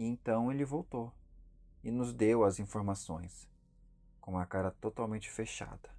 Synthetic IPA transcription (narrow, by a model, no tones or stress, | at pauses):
ẽnt̪ɐ̃w̃elɪvowt̪o | ɪnʊzd̪ewɐzĩfoɾmasõ̰j̃s | kõũmɐkaɾɐt̪ot̪awmẽnt͡ʃɪ̥feʃa̰d̪ɐ